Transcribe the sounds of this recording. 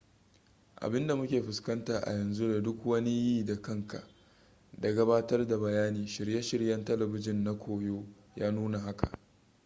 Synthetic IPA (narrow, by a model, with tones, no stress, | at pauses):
ʔa̰˨bɪ˦nda˨mʊ˦kʲeː˨ɸʊ˨skɐ˦ntaː˨ʔa̰˨jɐ˨nzu˦da˨dʊ˦kwɐ˦ni˦jiː˦da˨kɐ˦ŋka̰˨ʔ | da˨ɡɐ˦baː˦tɐ˦rda˨bɐ˨jaː˦niː˨ʃɪ˨ɽje˦ʃɪ˨ɾjɐ˦ntɐ˦lɐ˨bɪ˦d͡ʒɪ˦˨nːa˦kʷʰoː˨joː˦ | jaː˦nuː˦na˨ɦa˦ka̰˨ʔ